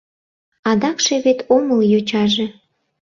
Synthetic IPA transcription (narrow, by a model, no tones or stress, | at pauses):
ɑd̪ɑkʃeβet̪oməljot͡ɕɑʒe